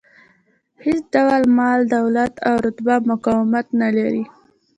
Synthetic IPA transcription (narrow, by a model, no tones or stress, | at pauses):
het͡sd̪awalmɑld̪awlat̪awɾʊt̪bamʊkɑwɪmat̪nalaɾi